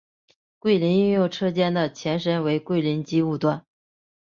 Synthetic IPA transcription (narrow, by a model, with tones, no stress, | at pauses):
kwe˥˩ɪli˧˥ny˥˧ŋjo˥˧ʊʈ͡ʂʰɤ˥˧t͡ɕjɛ˥˧nd̪ə˩t͡ɕʰjɛ˧˥nʂ̬ə˥nwe˧˥ɪkwe˥˩ɪli˧˥nt͡ɕi˥u˥˧t̪wa˥˩n